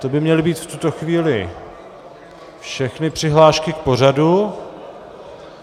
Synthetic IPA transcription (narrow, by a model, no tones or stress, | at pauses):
t̪o̞bɪmɲɛlɪbiːt̪ft̪ut̪o̞xviːlɪ | fʃɛxnɪpr̝̥ɪɦlaːʃkɪk̚po̞radu